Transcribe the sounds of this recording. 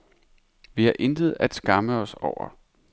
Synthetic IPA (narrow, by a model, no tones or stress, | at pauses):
ʋihæʔe̝nd̥əð̞̩ˠæd̥sɡ̥ɑ̈məɒ̽sɒʊ̰ɐ̰